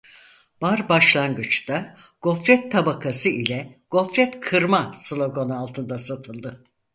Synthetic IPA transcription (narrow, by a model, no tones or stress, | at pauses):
b̥aɾbaʃlˠanɡɯt͡ʃt̪a | ɡ̥o̞fɾɛt̪ʰːabakʰasɯilʲɛɡ̥o̞fɾɛt̪kʰɯɾmaslʲˠo̞ɡo̞nalˠt̪ʰɯnd̪asat̪ʰɯlˠd̪ɯ